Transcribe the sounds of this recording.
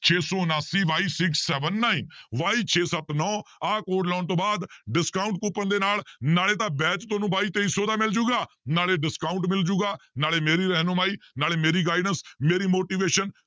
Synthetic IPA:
t͡ʃʰeːsɔːnaːsiːʋaːiːsɪksːɛːʋənːaːiːnʋaːiːt͡ʃʰeːsət̪nɔːaːkoːɖlɔːnt̪õːbaːd̪ɖɪskaːʊɳʈ̚kuːpənd̪eːnaːlnaːleːt̪ãːbɛːt͡ʃt̪oːnũːbaːiːt̪eːiːsoːd̪aːmɪld͡ʒuːɡaː | naːleːɖɪskaːʊ̃ɳʈmɪld͡ʒuːɡaːnaːleːmeːɾiːɾɛɦnoːmaːiːnaːleːmeːɾiːɡaːɪɖənsmeːɾiːmoːʈiːʋeːʃən

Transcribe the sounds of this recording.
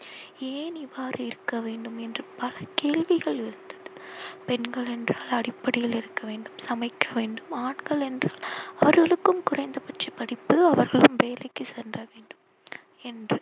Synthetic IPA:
eːnɪʋaːɾɯɪɾɯkːɐʋeːɳɖɯmɛndrɯpɐlɐkeːɭʋɪɣɐɭɪɾɯnd̪ɐðɯpɛnɡɐɭɛndraːlɐɽɪpːɐɽɪjɐlɪɾɯkːɐʋeːɳɖɯmsɐmɐɪkːɐʋeːɳɖɯmaːɳɡɐɭɛndraːlɐʋɐɾɣɐɭɯkːɯmkʊrɐɪnd̪ɐpɐʈt͡ʃɐpːɐɽɪpːɯɐʋɐɾɣɐɭɯmʋeːlɐɪkːɯsɛndrɐʋeːɳɖɯm | ɛndrɯ

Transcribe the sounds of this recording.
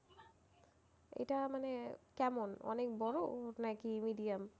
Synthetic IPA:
ḛjtamanɛkɛmɔnɔ̰nek̚bɔɹotnajkimidiam

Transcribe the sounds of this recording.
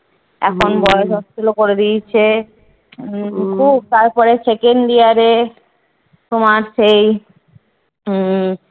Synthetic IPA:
ɛ̰kʰonbɔeoʃɔst̪olokoɾed̪it͡ɕʰe | kʰub̚t̪aɾpɔɾet͡ɕekenɖiaɾe | t̪omaɾʃej

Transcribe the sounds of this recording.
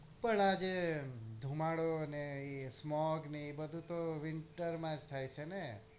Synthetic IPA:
pəɳad͡ʒed̪ʱumaɽonesmɔɡnibəd̪ʱũt̪oʋɪɳʈəɾmãd͡ʒt̪ʰajt͡ʃʰene

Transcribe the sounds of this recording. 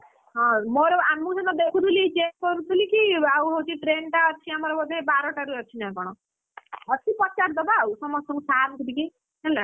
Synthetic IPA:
ɦɔ̃moɾoamːũd͡ʒɔnɔd̪ekʰut̪ʰulit͡ʃek̚kɔɾut̪ʰulikiawɦot͡ʃʰiʈɾenʈaɔt͡ʃʰiamɔɾɔbɔd̪ebaɾɔʈaɾuɔt͡ʃʰinãkɔɽ̃ɔ | ɔt̪ʰipɔt͡ʃaʈd̪ɔbawsɔmɔst̪ʰɔɾũsaɾnt̪ʰud̪iki | ɦɛlːa

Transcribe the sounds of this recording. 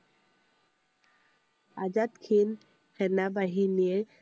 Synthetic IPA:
ad͡ʒat̪kʰin | kʰɛnabaɦinie

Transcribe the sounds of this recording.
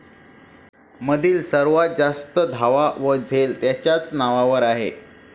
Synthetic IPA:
məd̪ʱiːlsəɾʋad͡zast̪əd̪ʱaʋaʋəd͡zʱelt̪jat͡ɕjat͡snaʋaʋəɾaɦḛ

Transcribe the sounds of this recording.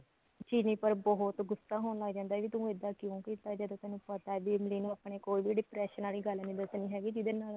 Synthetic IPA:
t͡ʃiːnĩːpəɾbɔɦʊt̪ɡʊsaːɦoːnləːɡd͡ʒãːnd̪aːʋiːt̪ũːɪd̪ãːkjõːkiːt̪ːaːd͡ʒəd̪õːt̪ɛːnũːpət̪aːɛʋiːmɪliːnũaːpɳeːkoːiːbʱiːɖɪpɾɛːʃənaːliːɡəlniːd̪əsniːɦɛːɡiːd͡ʒɪd̪eːnaː

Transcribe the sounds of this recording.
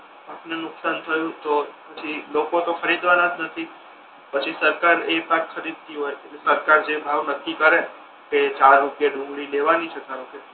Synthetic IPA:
apnenʊksant̪ʰəjũt̪opət͡ʃʰilokot̪okʰəɾid̪ʋanad͡ʒnət̪ʰi | pət͡ʃʰisəɾkaɾepãkkʰəɾid̪̚t̪iɦojkekesəɾkaɾd͡ʒebʱaʋnəkːikəɾe | ket͡ʃaɾːupjaɖʊ̃mɡɭileʋaniʃəkajũke

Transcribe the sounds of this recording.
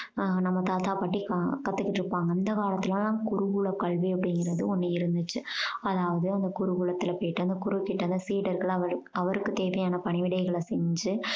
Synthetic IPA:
nɐmːɐt̪aːt̪aːpɐʈːikkɐt̪ːɯkːɪʈːɪɾɯpːaːŋɡɐɪnd̪ɐkaːɽɐt̪ːɪlããːkʊɾʊɣuɭɐkɐɭʋiɐpːɐɽɪŋɡɪɾɐðɯɔnːɐɪɾɯnd̪ɯt͡ʃːɯɐðaːʋɐðɯɐnd̪ɐkʊɾʊɣuɭɐt̪ːɪlɐpojʈːɯɐnd̪ɐkʊɾʊkːɪʈːɐnd̪ɐsiːɽɐɾɣɐɭɐʋɐɾɐʋɐɾɯkːɯt̪eːʋɐjaːnɐpɐɳɪʋɪɽɐɪɣɐɭɐsɛɲd͡ʒɯ

